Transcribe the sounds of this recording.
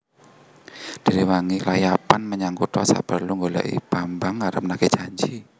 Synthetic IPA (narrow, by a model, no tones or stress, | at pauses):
d̥i̤ɾiwaŋilajapanməɲaŋkut̪ɔsa̰b̥ərluŋɡola̰ʔḭb̥ambaŋːaɾəp̚naket͡ʃaɲd͡ʒi